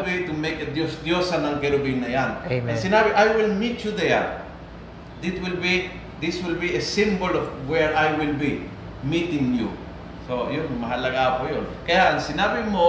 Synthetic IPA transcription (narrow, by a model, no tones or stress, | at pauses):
lbitumeked̪josd̪josanãŋkeɾubinajanãnsinabiʔajwilmitjud̪eja̰n | d̪itwilbi | d̪iswilbiesĩmbolɔfwɛɹajwilbi | mitĩŋjṵ | sojunmaɦalaɡapojonkejãnsinabimo